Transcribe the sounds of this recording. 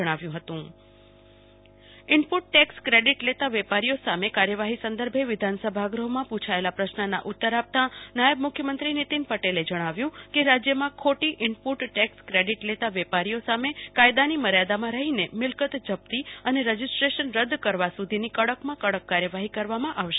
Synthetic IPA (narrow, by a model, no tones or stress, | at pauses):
əɽ̃aʋjũɦət̪ũ | ɪɳpuʈ̚ːɛkskɾeɖiʈlet̪aʋepaɾijosamekaɾjəʋaɦisə̃nd̪əɾbʱeʋɪd̪ʱansəbʱaɡɾəɦmãpũt͡ʃʰaelapɾəʃnəna̰ʔʊt̪ːəɾap̚t̪anajəbmʊkʰjəmənt̪ɾinɪt̪inpəʈeled͡ʒəɽ̃aʋjũkeɾad͡ʒjəmãkʰoʈiʔɪɳpuʈʈɛkskɾeɖiʈlet̪aʋepaɾijosamekajd̪animəɾjad̪amãɾəɦinemɪlkət̪d͡ʒəb̚t̪iəneɾəd͡ʒisʈɾeʃənɾəd̪kəɾʋasud̪ʱinikəɽəkmãkəɽəkːaɾjəʋaɦikəɾʋamãʔaʋʃe̥